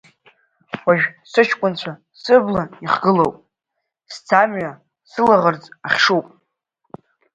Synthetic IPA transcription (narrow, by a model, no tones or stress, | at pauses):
waʒᶣsɨt͡ʃʰkʷʼʊnt͡ɕʷʰa | sɨblaiχɡɨlowpʼ | st͡sʰamɥa | sɨlaʁərd͡zʼaχʲʂuwpʼ